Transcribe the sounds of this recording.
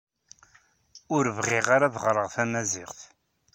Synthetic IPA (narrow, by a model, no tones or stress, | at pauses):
ʊɾvʁɪʁaɾaðʁɾˤəʁθæmæzɪʁθ